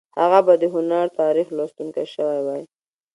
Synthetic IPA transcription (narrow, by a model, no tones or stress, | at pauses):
haɣabad̪əɦʊnaɾt̪ɑɾixlɑst̪uŋkajʃəwajwaj